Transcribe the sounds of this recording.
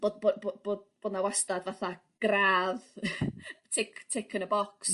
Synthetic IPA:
b̥oːdbodboboːd̚b̥oːdnawɛstadvaθa | ɡ̥raːð | tʰɪkʰtʰɪkʰənəbɔks

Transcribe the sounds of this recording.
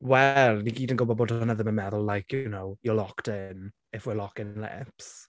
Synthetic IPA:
wɛlˠniɡiːdənɡʊbɔboːdɔnɛðəməmɛðʊlˠlajkʰjnowiɔlɔktɪn | ɪfwɪlˠɔkɪnnlɪ̰ps

